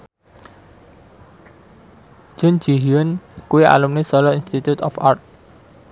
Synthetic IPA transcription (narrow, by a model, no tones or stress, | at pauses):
d͡ʒ̥ʊnd͡ʒ̥iɦiʊnkuwia̰lumnisɔlɔinst̪it̪ut̪ɔfa̰rt̪̚